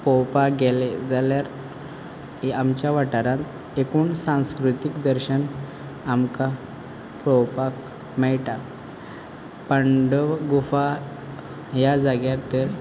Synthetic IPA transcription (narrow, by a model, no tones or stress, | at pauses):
pɔwpaɡeled͡zaljaɾ | amt͡ɕjaʋaʈaɾãt̪ | ekuːnsãw̃skɾut̪ikd̪əɾɕən | amka | pɾɔwpak | mɛɭʈa | pəɳɖəɡufa | ɦjad͡zaɡjaɾt̪əɾ